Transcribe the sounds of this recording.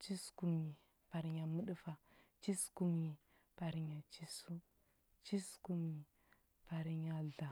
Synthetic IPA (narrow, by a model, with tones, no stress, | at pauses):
t͡ʃi˦sku˦mɲi˨ | pa˨ɾi˨ɲa˨mu˦ɗu˦fa˨t͡ʃi˦sku˦mɲi˨ | pa˨ɾi˨ɲa˨t͡ʃi˦su˦ | t͡ʃi˦sku˦mɲi˨ | pa˨ɾi˨ɲa˨ɮa˨